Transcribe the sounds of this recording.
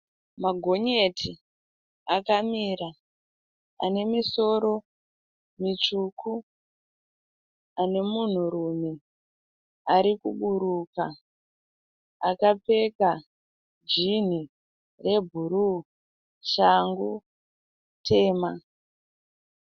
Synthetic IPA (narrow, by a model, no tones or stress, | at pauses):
maɡʱo̞ɲe̞tʰi | akamiɾa | a̰ne̞miso̞ɾo̞ | mit͡ʃukʰu | ane̞mun̤uɾumi | aɾikuɓuɾuka | akape̞ka | d͡ʒin̤i | re̞bʱuɾu | t͡ʃaŋɡu | tʰe̞ːma